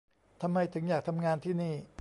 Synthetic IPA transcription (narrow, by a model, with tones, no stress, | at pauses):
t̪ʰa˧mːa˧jt̪ʰɯ˩˦ŋjaː˨˩k̚t̪ʰa˧mŋaː˧nt̪ʰiː˥˩niː˥˩